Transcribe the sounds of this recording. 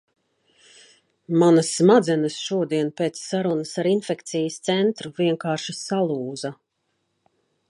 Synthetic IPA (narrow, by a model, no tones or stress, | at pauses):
manasːmad̪zɛnəsʃuɔd̪iɛnpeːt̪sːaɾunəsaɾinfɛkt̪sijəst̪sɛnt̪ɾuviɛŋkaːɾʃasalˠuːza